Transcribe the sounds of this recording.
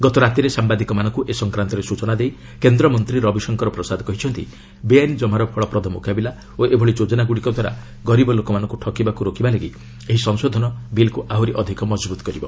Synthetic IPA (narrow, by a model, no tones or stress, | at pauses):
ɡɔt̪ɔɾat̪iɾesambad̪ikɔmanɔ̃ŋkuʔesɔŋkɾant̪ɔɾesut͡ʃɔnad̪ej | kend̪ɾɔmɔnt̪ɾiɾɔbisɔŋkɔɾɔpɾɔsad̪ʱɔkɔɦit͡ʃʰɔnt̪ḭ | beanid͡ʒɔmaɾɔpʰɔɭɔpɾɔd̪ʱɔmṵkabila | oʔebʱɔɭid͡ʒod͡ʒɔnaɡuɽikɔd̪ʱwaɾa̰ | ɡɔɾibɔlokɔmanɔ̃ŋkuʈʰɔkibakuɾokibaleɡi | eɦisɔŋsod̪ʱɔnɔbilkuʔaɦuɾiʔɔd̪ʱikɔmɔd͡ʒbut̪ɔ̥kɔɾibɔ